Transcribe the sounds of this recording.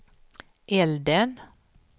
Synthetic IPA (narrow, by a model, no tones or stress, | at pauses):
ʔɛld̪ən